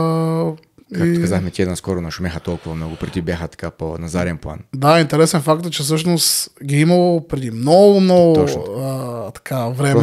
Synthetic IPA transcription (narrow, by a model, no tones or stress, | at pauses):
kaikt̪okazaxmɛt̪iɛd̪naskɔɾʊnɐʃʊmʲaxət̪ɔlˠkʊvɐmnɔɡʊpɾɛd̪ibʲjaxət̪ɐ̥kapo̰nɐzaɾiɛnplˠa̰nd̪aint̪ɛɾɛsɛnfakt̪ɛt͡ʃɛfs̬ɤʃnost̪ɡʲiimɐlˠopɾɛd̪imnɔɡʊmnɔɡʊɔt͡ʃət̪ɐ̥kʰavɾɛ